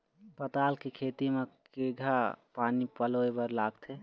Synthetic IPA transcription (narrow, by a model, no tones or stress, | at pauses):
pət̪aːlkekʰeːt̪imekeɡʱapaːnipəloːebəɾlaːɡt̪ʰe